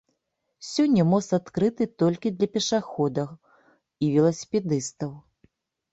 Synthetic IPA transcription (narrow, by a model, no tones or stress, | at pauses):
sʲɔnʲːɐmɔst̪at̪kɾɨt̪ɨt̪ɔlʲkʲid̪lʲɐpʲɛʂaxɔd̪ɐx | ivʲɛlˠɐsʲi̥pʲɛd̪ɨst̪ɐw